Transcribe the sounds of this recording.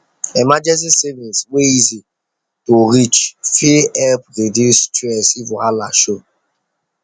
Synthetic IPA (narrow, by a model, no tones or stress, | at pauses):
emad͡ʒɛns̬isevinsweizi | toɾit͡ʃfiɛlpɾediustɛsivʊ̃halaʃo